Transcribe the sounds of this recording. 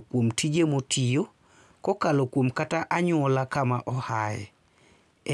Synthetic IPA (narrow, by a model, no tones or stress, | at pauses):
kwomtʰid͡ʒemotʰijo | kɔkalokwomkataʔaɲʊɔlakamaʔɔhajɛ̰